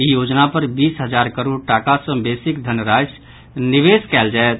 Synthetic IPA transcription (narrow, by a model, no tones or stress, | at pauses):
ijod͡ʒnapəɾbisɦəd͡ʒaɾkəɾoɖ̚ʈakasə̃besikd̪ʱənɾas | niʋeskɛld͡ʒaet̪